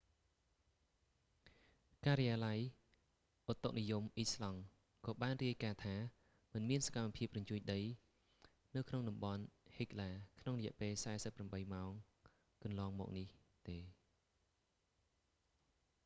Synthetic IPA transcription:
kaːɾɑjaːlaj | ʔot̪ːok̚nijumʔislɑŋ | kɑːɓaːnriəjkaːt̪ʰaː | mɨnmiənsḁkamːapʰiəp̚rɑɲt͡ɕuəɲɗəj | nɨwkʰnoŋɗɑmɓɑnhik̚laːkʰnoŋrɔjɛəʔpeːlsaɛsəpːramɓəjmaɔŋ | kɑnlɑːŋmɔ̰ːk̚nih | t̪eː

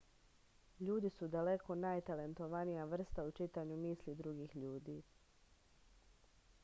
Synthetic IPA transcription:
ʎuːd̪isud̪ale̞kʰo̞najt̪ale̞nt̪o̞ʋanijaʋr̩st̪aut͡ʃit̪aɲumiːslid̪ɾuɡiːxʎuːd̪iː

